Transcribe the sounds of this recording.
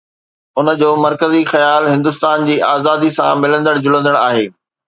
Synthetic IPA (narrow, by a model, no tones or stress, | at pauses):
ʊnə̆d͡ʑoːmɐɾkəzixɐjaːlɦɪ̃nd̪ʊst̪aːnd͡ʑiːʔaːzaːd̪isã̰mɪlə̃nd̪əɽd͡ʑʊlə̃nd̪əɽ̃aːɦeː